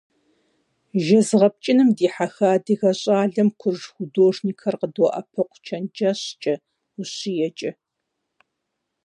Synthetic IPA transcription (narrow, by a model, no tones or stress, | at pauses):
ʒɐzʁɐp̚t͡ʃʼɪnɨmdiːħaxaːdixɐɕʼaːɮɐmkʷʰʊrʒxʷʊdoːʐniːkʰɐrqədoʔɐ̰pʰɐqʷʰt͡ʃʰɐnd͡ʒaɕt͡ʃʼɐ | ʊɕijɛt͡ʃʼɐ